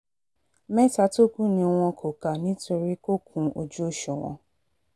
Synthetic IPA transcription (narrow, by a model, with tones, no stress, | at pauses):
mɛ˦ta˧to˦kũ˦nĩ˧w̃ɔ̃˧kʰo˨ka˨nĩ˨˦to˧ɾi˦ko˦k̚ʰũ˧o̰˨d͡ʒu˦o˦˨ʃɔ˨w̃ɔ̰̃˧